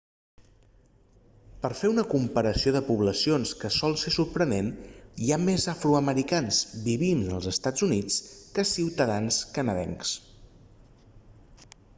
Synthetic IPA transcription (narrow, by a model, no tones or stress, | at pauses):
pəɾfeunəkumpəɾəsioðəpuβləsionskəsɔlˠsesuɾpɾəneniamezəfɾuəməɾikanzbiβiməlˠzəst̪ad͡zunit͡skəsiwt̪əðanskənəðɛ̰ŋks